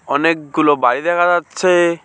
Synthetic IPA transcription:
ɔnek̚ɡulobaɽid̪ɛkʰad͡ʑatːɕʰe

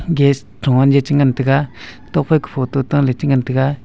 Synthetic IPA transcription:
ŋɡes | ʈ͡ʂʰoŋwaɲd͡ʑet͡ɕəŋant̪ʰəka | t̪oχpʰalkə̥pʰot̪ot̪aŋlet͡ɕəŋant̪ʰək̚a

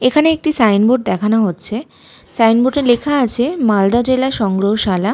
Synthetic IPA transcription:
ekʰaneek̚ʈisajnboʈ̚d̪ɛkʰanaɦotːɕʰe | sajnboʈeɾlekʰaat͡ɕʰemald̪ad͡ʑelaʃɔŋɡɾoɦoʃala

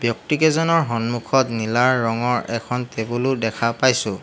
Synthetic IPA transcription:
bjɔk̚tikɛzɔnɔɹɦɔnmukʰɔtnilaɹːɔŋɔɹɛkʰɔntebulʊdɛkʰapajsʊ̃

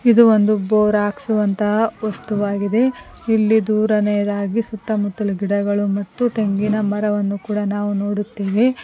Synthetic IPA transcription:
id̪uond̪uboːɾaːksuʋɐnt̪ɐɦʋɐst̪uʋaːɡid̪e̞ | ilːid̪uːɾɐnɛjɐd̪aːɡisuʈ̪ːɐmut̪ːɐlɐɡiɽɐɡɐɭumɐt̪ːuʈe̞ŋɡinɐmɐɾɐʋɐnːukuːɽɐnaːʋunoːɽut̪ːeːʋe

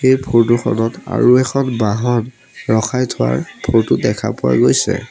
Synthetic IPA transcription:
xejpʰoɹtʊxɔ̰nɔta̰ɹuɛkʰɔnbaɦɔn | ɹɔxʰajtʰʊwa̰ɹpʰoɹtʊdɛkʰa̰pʊwa̰ɡojsɛ̰

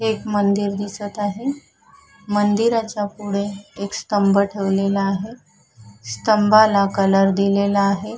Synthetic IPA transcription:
ekmənd̪iɾd̪isət̪aɦe | mənd̪iɾat͡ɕjapuɽeekst̪əmbəʈʰeʋlelaːɦe | st̪əmbalakələɾd̪ilelaːɦe

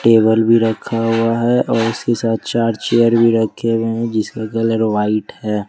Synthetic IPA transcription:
ʈeːbəlbʱiɾɐkʰːaɦuaɦɛʔɔːɾʊskesaːt̪̚ʰt͡ʃaːɾt͡ʃeːjəɾbʱiɾɐkkʰːeweɦɛ̃d͡ʒɪskakələɾʋaːɪʈhɛː

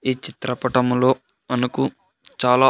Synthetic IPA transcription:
iːt͡ʃit̪ɾɐpɐʈɐmlo̞ː | ɐnɐku | t͡ʃaːlaː

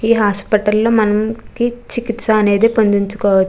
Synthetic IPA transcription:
iːɦaːspiʈɐlːo̞ːmɐnɐmkit͡ʃikit̪sɐːne̞ːd̪eːpond̪iɲt͡ʃu̥kɔːʋɐt͡ʃː

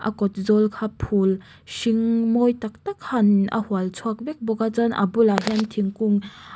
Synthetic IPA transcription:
ʔɐ̰kɔt̪̚zɔlkʰapʰul | siŋmɔjt̪ak̚t̪ak̚hɐnɐ̰hualt͡sʰuak̚bɛk̚bɔkat͡sanʔɐ̰bulaɦɛnt̪ʰiŋkuŋ

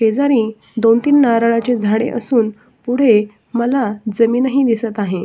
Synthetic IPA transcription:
ked͡zaɾiː | d̪ont̪iːnːaɾaɭat͡ɕed͡zʱaɽḛʔəsuːn | puɽ̤e | məlad͡zəmiːnəɦiːd̪isət̪aɦe

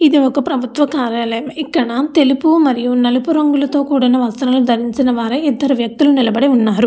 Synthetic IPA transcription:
iðiɔkːɐpɾɐbʱut̪ʋɐkaːɾjaːlɐjɐmikːɐnːaːt̪elipːuʋmɐɾijumnɐlipuɾɐŋɡɐɭt̪oːkuːɽɐnːɐʋɐst̪ɐnɐɐld̪ɐɾiɲsɐnɐʋaːɾɐit̪ːɐɾɐʋjɐk̚t̪ilunɪlɐbɐɽiuɳːaːɾu

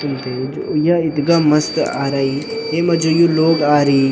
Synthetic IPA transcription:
ʊnt̪ed͡ʒojaɪt̪ɡamɐst̪a̰ːɾaːi | eːmɐd͡ʒojuloːɡaːɾi

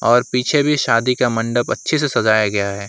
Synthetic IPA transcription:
ɔːɾpiːt͡ʃʰebʱiʃaːd̪ikamɐ̃ɳɖəpɐtːʃʰesesɐzaːjaɡɐjaɦɛː

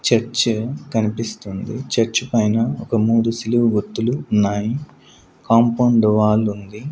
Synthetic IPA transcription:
t͡ʃɐɾt͡ʃɐkɐnipist̪und̪it͡ʃɐɾt͡ʃɐpɐjnɐɔkɐmuːd̪usiluʋuɡut̪ːuluːnːaːji | kaːmpɐːɳɖʋaːlund̪i

